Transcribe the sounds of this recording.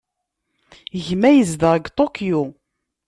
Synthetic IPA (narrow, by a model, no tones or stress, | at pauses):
ʝmæjəzðəʁəɡt̪ˤokju